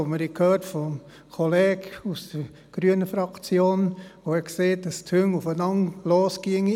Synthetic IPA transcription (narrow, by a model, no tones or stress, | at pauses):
oməɾikʰhøːrtfɔm | kʰɔlɛːkusd̥̪ə | ɡ̥ɾyənəfɾɑkt͡sjoːnʋohɛkseːt̚dɑstʰhøŋufənɑŋloːskiəŋi